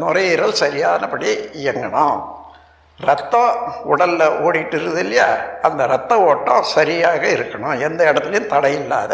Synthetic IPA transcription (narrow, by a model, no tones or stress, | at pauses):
nʊrɐjɪɾɐlsɐɾɪjaːnɐpɐɽiɪjɐŋɡɐɳʊ̃ | ɾɐt̪ːɐ̃ːʊɽɐlːɐʔoːɽɪʈːɯɾɯðɪlːɐjaɐnd̪ɐɾɐt̪ːɐ̃oːʈːõ̰ːsɐɾɪjaːɣɐɪɾɯkːɐɳʊ̃ɛnd̪ɐɛɽɐt̪ːɪlɐjɯ̃mt̪ɐɽɐjɪlːa̰ːðɐ